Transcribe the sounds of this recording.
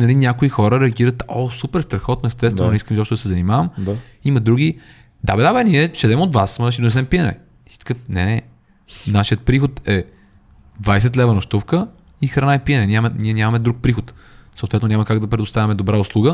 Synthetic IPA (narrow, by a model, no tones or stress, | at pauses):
nɐlinʲakoixɔɾəɾɛɐɡiɾət̪ɔsupɛɾst̪ɾɐxɔt̪noɛst̪ɛsvɛnonɛiskəmzɔpʃt̪od̪sɛzɐnimavəmiməd̪ɾuɡʲi | d̪abɛd̪abɛniɛʃɛd̪ɛmod̪vasmɐnʃ̬id̪onɛs̬ɛmpiənɛ̰ | st̪kəfnɛɛ | naʃiət̪̚pɾixot̪ɛ | d̪vajs̬ɛt̪lɛvənoʃt̪ufkə | ixɾɐnaɛpiənɛnʲamənʲiɛnʲamɐmɛd̪ɾuk̚pɾixot̪səʊt̪vɛt̪nonʲɲaməkaɡ̚d̪ɐpɾɛd̪ʊst̪avɐmɛd̪obɾaʊslˠuɡə